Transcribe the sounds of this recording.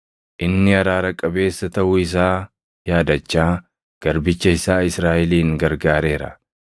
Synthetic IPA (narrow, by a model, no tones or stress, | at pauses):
ʔɪnːɪɐɾaːɾɐkʼːɐbe̞ːsːɐt̪ɐʔʊɪs̬aː | jaːd̪ɐt͡ʃːaː | ɡ̥ɐɾbɪt͡ʃːɐɪsaːɪsɾaːʔɪliːŋɡɐɾɡaːɾe̞ːɾɐ̰